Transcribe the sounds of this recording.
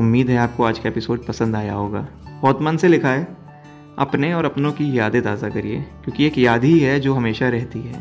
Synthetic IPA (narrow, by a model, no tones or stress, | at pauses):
ʊmːiːd̪ɦɛaːp̚koaːd͡ʒkaepɪsoːɖ̚pɐsə̃nd̪aːja̰ɦoːɡa̰ː | bɔːt̪manselɪkʰaːe | ɐ̰pneɔːɾɐpnõkijaːd̪et̪aːzakɐɾiḛːkjõːkieːkjaːd̪ʱiɦɛd͡ʒoːɦɐmeːʃaɾɛɦt̪iɦɛ̰ː